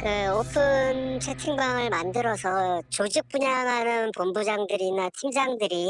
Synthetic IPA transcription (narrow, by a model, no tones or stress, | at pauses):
kɯopʰɯnt͡ɕʰetʰiŋbaŋɯɭmandɯɾʌsʰʌt͡ɕod͡ʑik̚p͈uɲaŋɦanɯnpombud͡ʑaŋdɯɾinatʰimd͡ʑaŋdɯɾi